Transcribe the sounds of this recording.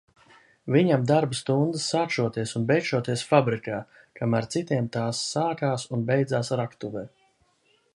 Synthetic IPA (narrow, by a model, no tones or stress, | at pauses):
viɲamd̪aɾbɨst̪und̪ɨsaːt͡ʃʃuɔt̪iɛsunbɛjʃuɔt̪iɛsfabɾikaː | kamaɾt̪sit̪iɛmt̪aːsːaːkaːsunbʲɛjd̪zaːsɾakt̪uvɛː